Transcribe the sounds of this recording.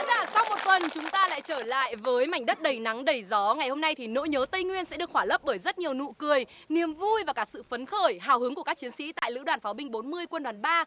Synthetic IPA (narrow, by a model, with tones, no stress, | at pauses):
laː˨˧˩sa˧wmo˨˩t̚fə˨˩nt͡ɕʊ˨˦ŋ͡mt̪aː˧la̰ː˧˨jt͡ɕəː˧˩la̰ː˧˨jvəː˨˦jma˨˩jŋ̟ɗə˦˥t̚ɗə˨˩jna˨˦ŋɗə˨˩jzɔ˨˦ŋa˨˩jho˧mna˧jt̪ʰi˨˩no̰˧˥jɲəː˨˦t̪ə˧jŋwi˧ənsɛ̰˧˥ɗɨ˨˩əkhwaː˧˩lə˦˥p̚ɓəː˧˩jzə˦˥t̚ɲi˨˩əwnṵ˧˨kɨ˨˩əj | ni˨˩əmvu˧jvaː˨˩kaː˦˥k̚sɨ̰˧˨fə˨˦nxəː˧˩jɦaː˧˩whɨ˨˦ŋku˧˩əkaː˦˥k̚t͡ɕi˨˦ənsḭ˧˥t̪a̰ː˧˨jlɨ̰˧˥waː˧˩nfa˨˦ɓï˧ŋ̟ɓo˨˦nmɨ˧əjkwə˧nɗwaː˨˩nɓaː˧